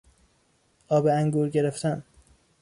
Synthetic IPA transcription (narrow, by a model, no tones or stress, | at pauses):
ʔɒːbeæŋɡuːɾɟe̞ɾeft̪ʰæn